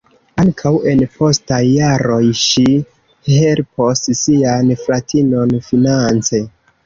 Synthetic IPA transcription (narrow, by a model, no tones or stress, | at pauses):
aŋkʰawe̞npʰo̞stajːaɾo̞jʃi | he̞lpo̞ssianflatʰino̞nfinant͡se̞